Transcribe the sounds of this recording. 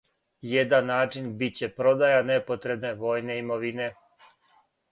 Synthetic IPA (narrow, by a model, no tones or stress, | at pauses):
jed̪anːaːt͡ʃinbit̪̚t͡ɕe̞pɾo̞d̪ajane̞po̞t̪ɾe̞bneʋoːjne̞imoʋine̞